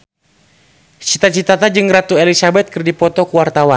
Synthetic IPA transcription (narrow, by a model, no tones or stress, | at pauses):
t͡ʃit̪at͡ʃit̪at̪ad͡ʒɨŋɾat̪uɛlisabɛt̪̚kɨrdipɔt̪ɔkuwart̪awan